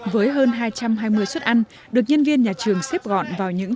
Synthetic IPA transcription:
vəː˨˦jɦəː˧nɦaː˧jt͡ɕa˧mɦaː˧jmɨ˧əjswə˦˥t̚ʔa˧jn | ɗɨ˨˩ək̚ɲə˧nvi˧ənɲaː˨˩t͡ɕɨ˨˩əŋse˦˥p̚ɣɔ̰˧˨nvaː˨˩wɲɨ̰˧˥ŋ

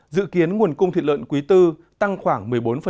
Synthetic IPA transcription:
zɨ̰˧˨ki˨˦ənŋu˨˩ənkʊ˧ŋ͡mt̪ḭ˧˨˩t̚lw̰nkwi˨˦t̪ɨ˧ | t̪a˧ŋxwaː˧˩ŋmɨ˨˩əjɓo˨˦nfə˨˩

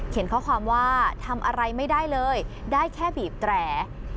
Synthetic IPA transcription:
kʰe˨˩˦nkʰɔː˥˩kʰwaː˧mwaː˥˩t̪ʰa˧mʔa˧ɾa˧jma˥˩jdaː˥˩jlɤː˧jdaː˥˩jkʰɛː˥˩biː˨˩p̚t̪ɾɛː˧˩

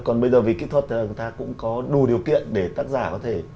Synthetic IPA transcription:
kɔ˨˩nɓə˧jzəː˨˩vi˨˩ki˦˥t̪ʰwə˨˩t̪̚ʰa˨˩t̪aː˧kʊ̰˧˥ŋ͡mkɔ˨˦ɗu˨˩ɗi˨˩əwkḭ˧˨ənɗe˧˩t̪aː˦˥k̚zaː˧˩kɔ˨˦t̪ʰe˧˩

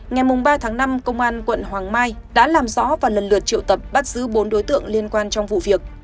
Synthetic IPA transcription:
ŋa˨˩jmʊ˨˩ŋ͡mɓaː˧t̪ʰaː˨˦ŋna˧mkə˧wŋ͡mʔaː˧nkwə̰˧˨nhwaː˨˩ŋmaː˧jɗa̰ː˧˥laː˨˩mzɔ̰˧˥vaː˨˩lə˨˩nlɨ̰˨˩ət̚t͡ɕḭ˧˨əwt̪ə˨˩p̚ɓa˦˥t̚z̥ɨ˨˦ɓo˨˦nɗo˨˦jt̪ɨ̰˧˨əŋli˧ənkwaː˧nt͡ɕɔ˧wŋ͡mvṵ˧˨vi˨˩ək̚

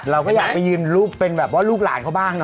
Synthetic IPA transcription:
ɾa˧wkɔː˥˩jaː˨˩k̚pa˧jːɯː˧nlu˦˥˩k̚pe˧nbɛː˨˩p̚wɔː˦˥luː˥˩k̚la̰ː˩˦nkʰa˧˩wbaː˥˩ŋnɔ˦

